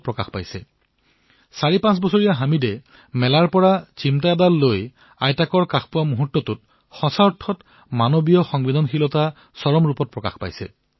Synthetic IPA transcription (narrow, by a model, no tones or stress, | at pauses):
pɹɔkaxpajsɛ | saɹipãsbɔsoɹijaɦamide | mɛlaɹpɔɹat͡ɕimtaad̪alːoj | a̰jtakɔɹkaxʰpʊwamuɦutːɔtut | xɔsaɔtʰːɔt | manobijɔxɔŋbid̪ʱɔnxilɔta | sɔɹɔmɹupɔt̚pɹɔka̰xpa̰jsɛ̰